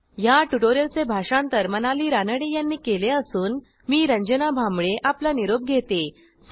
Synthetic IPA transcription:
jaʈuʈoɾjəlt͡sebʱaʂãnt̪əɾmənaliːɾanəɽejanːiːkeleəsuːn | miːɾəɲd͡ʑənabʱamɭeʔaplaniɾob̚ɡʱet̪e

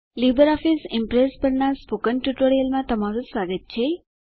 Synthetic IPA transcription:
libəɾɔfisɪmpɾespəɾnaspukənʈjuʈoɾijəlmãt̪əmaɾũsʋaɡət̪̚t͡ʃʰe

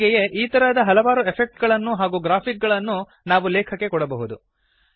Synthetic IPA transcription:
ɡɛje̞ʔiːt̪ɐɾad̪ɐɦɐlɐʋaːɾuepʰek̚ʈɡɐɭɐnːuɦaːɡuːɡɾaːpʰik̚ɡɐɭɐnːu | naːʋulɛːkʰɐkːe̞kɔɽɐbɐɦud̪u

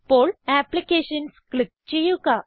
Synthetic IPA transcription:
polæplikeɕənsklik̚t͡ɕijuka

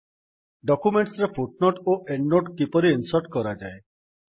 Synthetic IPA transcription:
ɖɔkumeɳʈsɾepʰuʈ̚noʈoʔeɳɖːoʈkipɔɾiinsɔɾʈkɔɾad͡ʒae

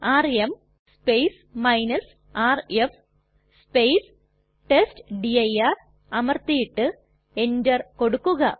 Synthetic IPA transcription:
aːrem | spejs | mɐjnɐs | aːref | spejs | ʈestɖiɐjar | ɐmɐrt̪ijiʈːɨ | e̞ndɐrkoɽukːuɣɐ

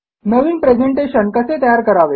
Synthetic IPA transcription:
nəʋiːnpɾed͡ʑeɳʈeɕənkəset̪əjaɾkəɾaʋe

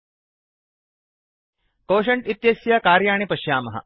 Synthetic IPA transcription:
koːʃɐɳʈit̪jɐsjakaːɾjaːɳipɐʃjaːmɐɦɐ̰

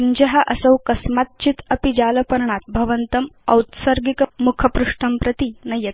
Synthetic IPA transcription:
iɲd͡ʑəɦaʔəsəwkɐsmat̪̚t͡ɕit̪əpid͡ʑaləpəɾɳat̪̚bʱɐʋənt̪əmɐwt̪səɾɡikəmukʰəpɾuʂʈəmpɾət̪inɐjet̪

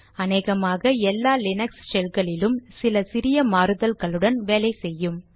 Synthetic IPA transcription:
ɐneːɣɐmaːɣɐɛlːaːlɪnɐkssɛlɣɐɭɪlɯmsɪlɐsɪɾɪjɐmaːɾɯðɐlɣɐɭɯɽɐnʋeːlɐɪsɛjːɯm

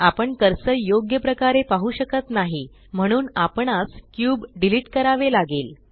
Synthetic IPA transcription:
apəɳkəɾsəjoɡjəpɾəkaɾepaɦuɕəkət̪naɦi | m̤əɽ̃uːnapəɳaskjuːbɖiliʈkəɾaʋelaɡeːl

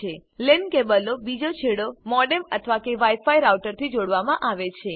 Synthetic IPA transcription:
elenkebəlobid͡ʒot͡ʃʰeɽomɔɖemət̪ʰəʋakeʋajfaiɾawʈəɾt̪ʰid͡ʒoɽʋamãʔaʋet͡ʃʰe

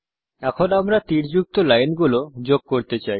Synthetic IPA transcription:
ɛkʰonamɾat̪iɾd͡ʑuk̚t̪olajnɡulod͡ʑoɡ̚koɾt̪et͡ɕaj

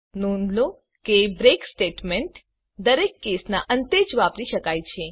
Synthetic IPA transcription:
nunlo | kebɾeksʈeʈmeɳʈ | d̪əɾekːesnaʔənt̪ed͡ʒʋapɾiʃəkajt͡ʃʰe

